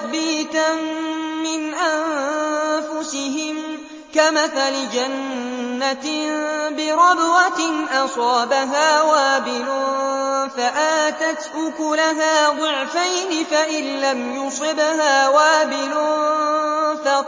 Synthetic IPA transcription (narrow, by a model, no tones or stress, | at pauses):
biːt̪anmɪnʔan | fʊsɪɦɪm | kamaθalɪd͡ʒanːat̪bɪɾˤɑbwat̪ɪnʔɑsˤɑːbaɦaːwaːbɪlʊ | faʔaːt̪at̪ʔʊkʊlaɦaːðˤʊʕfajnɪfaʔɪnlamjʊsˤɨbhaːwaːbɪlʊ | fa